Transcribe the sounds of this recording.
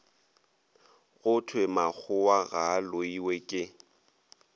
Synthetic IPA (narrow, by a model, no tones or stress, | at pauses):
ɣʊtʰwemak͡xʰʊwaɣaloiwekʼɪ